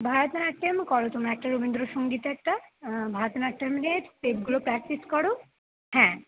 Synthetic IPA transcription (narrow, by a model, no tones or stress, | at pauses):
bʱaɾot̪naʈːemkɔɽot̪omɾaɛk̚ʈaɾubind̪ɾoʃoŋɡit̪ɛk̚ʈabʱaɾot̪enaʈeɾmineʈpepɡulopɾɛk̚ʈiskɔɽo | hɛ̃